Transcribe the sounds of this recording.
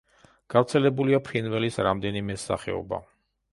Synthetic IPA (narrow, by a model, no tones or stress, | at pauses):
ɡ̥avɾt̪sʰɛlɛbuliapʰɾinvɛlisɾamd̪ɛnimɛsa̰χɛ̰ɔ̰ba̰